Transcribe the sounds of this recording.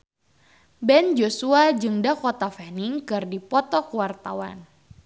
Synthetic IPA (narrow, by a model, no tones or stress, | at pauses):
bɛnd͡ʒosuad͡ʒɨŋdakɔt̪afɛniŋkɨrdipɔt̪ɔkəwart̪awa̰n